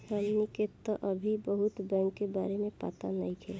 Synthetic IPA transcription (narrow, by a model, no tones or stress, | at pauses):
samniket̪ɔʔəbʱibəɦʊt̪bɛ̃ːŋkːeba̰ːɾemẽpa̰ːt̪anə̰ĩkʰel